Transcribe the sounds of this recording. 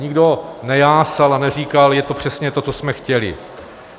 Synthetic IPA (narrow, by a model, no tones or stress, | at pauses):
ɲɪɡdo̞nɛjaːsalanɛr̝iːkaljɛt̪o̞pr̥ɛsɲɛt̪o̞t͡sosmɛxcɛlɪ̰